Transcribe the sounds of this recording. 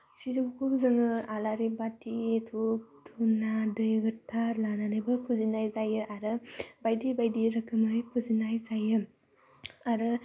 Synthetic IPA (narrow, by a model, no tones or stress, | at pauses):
sidukʰuzɯŋɯalaɾibatʰitʰuk̚tʰunadɯjɡɯtʰaɾlananɯjbɯpʰuzinajzajɯʔaɾɯbajdibajdiɾɐkʰɯmajpʰuzinajzajɯ | aɾɯ